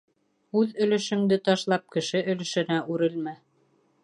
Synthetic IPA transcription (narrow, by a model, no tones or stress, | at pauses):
ʉðɵ̆lɵ̆ʃɵ̆md̪ɘt̪ɑʃlˠɑp̚kɘ̆ʃɘʔɵ̆lɵ̆ʃɘ̆næʔʉɾɘlmæ